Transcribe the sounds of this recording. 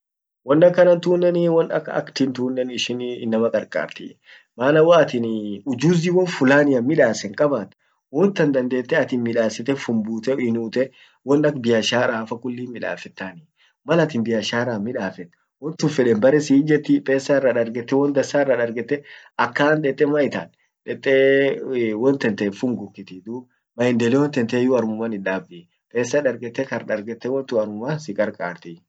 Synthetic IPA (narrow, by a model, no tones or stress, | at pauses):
wɔnːɐkːɐnɐnt̪uːnːɛniwɔnɐ̰kɐ̰kt̪ɪnt̪uːnːɛnɪʃɪnɪnːɐmɐkʼɐɾkʼa̰ːɾt̪ɪ̰ | maːnɐwaɐt̪ɪnʊd͡ʒuːziwɔnfʊlaːnɪjɐmmɪᶑaːsɛŋkʼɐbaːt̪ | wɔnt̪ːɐnd̪ɐnd̪e̞ːt̪ːɛɐt̪ɪnmɪᶑaːsɪt̪ːɛfʊmbuːt̪ɛɪnuːt̪ɛ | wɔnɐkbɪjɐʃaːɾaːfɐkʼʊlːiːmɪᶑa̰ːfɛt̪ːaːnɪ | mɐlɐt̪ɪnbɪjɐʃaːɾaːmɪᶑaːfɛt̪ː | wɔnt̪ʊfɛᶑɛnbɐɾɛsiːd͡ʒɛt̪ːɪpʼeːsːaɪrːɐᶑɐɾɡɛt̪ːɛwɔnd̪ɐsaːɪrːɐᶑɐɾɡɛt̪ːɛ | ɐkːaːnᶑ̪ɛt̪ʼːɛmɐɪt̪a̰ːn | ᶑɛt̪ʼːɛ | wɔnt̪ɛnt̪ɛfʊŋɡʊkːɪt̪ɪd̪u | mɐɪnd̪ɛlɛwɔnt̪ɛnt̪eːjʊɐɾmʊmɐnɪᶑaːbɪ | pʼeːsːɐᶑɐɾɡɛt̪ːɛkɐɾᶑɐɾɡɛt̪ːɛwɔnt̪ʊɐɾmʊmasɪkʼɐɾkʼa̰ːɾt̪ɪ